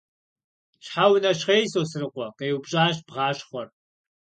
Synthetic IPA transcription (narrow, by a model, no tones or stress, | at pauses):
ɕħawnɐɕχeːjsoːsɨrɨqʷɔqɐjwbɕʼaːɕbʁɑːɕχʷɔr